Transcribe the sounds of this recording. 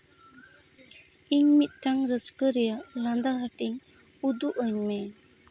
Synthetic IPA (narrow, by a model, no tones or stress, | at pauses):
iɲmit̪̚ˀʈaŋɾəskəɾɛjaland̪aɦaʈiŋ | ud̪uʔəɲmɛ